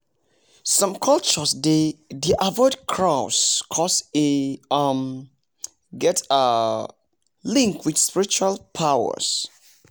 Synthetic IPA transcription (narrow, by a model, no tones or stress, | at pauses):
sɔ̃mkʰʌlt͡ʃəsdediʔavɔɪdkʰɹaʊskʰɔseam | ɡɛta | lĩŋkwid̥spiɹit͡ʃualpʰaʊə̰s